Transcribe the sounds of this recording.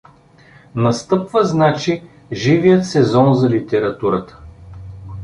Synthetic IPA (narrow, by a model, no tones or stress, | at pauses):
nɐst̪ɤpvəznat͡ʃi | ʒivijət̪sɛzɔnzɐlit̪ɛɾɐt̪uɾət̪ə̥